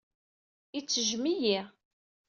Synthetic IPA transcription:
it͡sːəʒmijiʁ

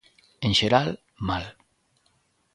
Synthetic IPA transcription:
enʃeɾal | mal

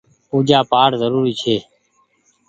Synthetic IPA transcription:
uːd͡ʒaːpaːɾzəɾuːɾiːt͡ʃʰeː

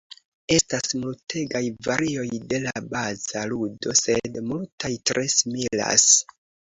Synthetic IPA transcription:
e̞stasmultʰe̞ɡajvaɾio̞jde̞labaz̥aludo̞sedmultajtɾʔe̞simila̰s

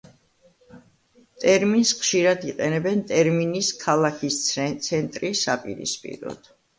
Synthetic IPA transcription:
t̪ʼɛɾminsχʃiɾad̪iqʼɛnɛbɛnt̪ʼɛɾminiskʰalˠakʰist̪sʰt̪sʰɛnt̪ʼɾisapʼḭɾḭspʼḭɾɔ̰d̪̥

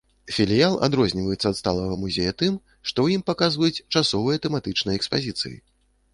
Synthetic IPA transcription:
fʲilʲijalˠa̰d̪ɾɔzʲnʲivɐjut̪sːɐːt̪st̪a̰lˠɐvɐmuzʲejɐt̪ɨm | ʂt̪ɔwjimpakazvɐjut͡sʲt͡ʂasɔvɨjɐt̪ɛmat̪ɨt͡ʂnɐjɐɛkspazʲit̪sɨ̰jḭ

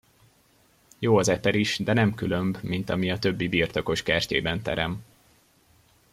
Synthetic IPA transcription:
joːɒzɛpɛɾiʃd̪ɛnɛmkylø̞mbmint̪ɒmiɒt̪ø̞bːibiːrt̪o̞ko̞ʃkɛrcḛːbɛnt̪ɛ̰ɾɛm

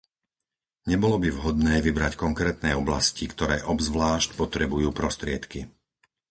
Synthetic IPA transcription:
ɲɛbɔlɔbiʋɦɔd̪nɛːʋibɾackɔŋkɾɛːt̪nɛːɔbla̰scikt̪ɔɾɛːʔɔbzʋlaːʃcpɔt̪ɾɛbujuːpɾɔst̪ɾɪɛt̪ki

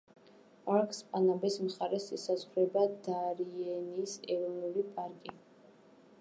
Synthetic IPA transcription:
pʼaɾkʼspʼanabɛsmχaɾɛsisazʁɾɛbad̪aɾiɛniːsɛɾɔvnulipʼaɾkʼi

